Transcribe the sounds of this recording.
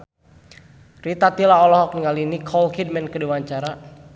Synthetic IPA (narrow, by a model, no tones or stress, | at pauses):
rit̪at̪ilaɔlɔɦɔk̚niŋalinikʰɔlkid̚mɛnkəduwaɲt͡ʃaɾa